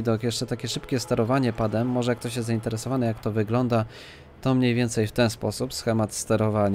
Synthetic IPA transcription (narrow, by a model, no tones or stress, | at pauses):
d̪ɔkjɛʂt͡ʂɛt̪akʲɛʂɘpkʲɛst̪ɛɾɔvaɲɛpad̪ɛmːɔʐɛjak̚t̪ɔɕ̬jɛst̪zaint̪ɛɾɛsɔvanɛjakt̪ɔvɘɡlɔnd̪a | t̪ɔmɲejvʲɛnt̪sɛjft̪ɛnspɔsupsxɛmat̪st̪ɛɾɔvaɲ